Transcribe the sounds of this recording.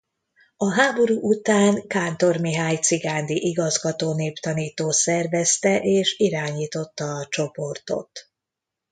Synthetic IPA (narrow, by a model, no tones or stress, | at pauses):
ɒɦaːbo̞ɾuːʔut̪aːŋkaːnt̪o̞rmiɦaːjt̪siɡaːnd̪iʔiɡɒzɡɒt̪oːneːpt̪ɒniːt̪oːsɛrvɛst̪ɛʔeːʃiɾaːɲiːt̪o̞t̪ːɒːt͡ʃo̞po̞rt̪o̞̰t̪